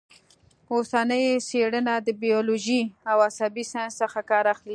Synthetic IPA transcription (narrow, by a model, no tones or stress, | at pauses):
osanəjseɽənad̪əbijɔloʒiawasabisajnssəxakɑɾaxli